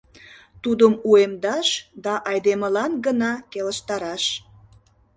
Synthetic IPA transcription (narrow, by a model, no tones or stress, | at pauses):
t̪ud̪əmuemd̪ɑʃd̪ɑʔɑjd̪eməlɑnɡənɑkeləʃt̪ɑɾɑʃ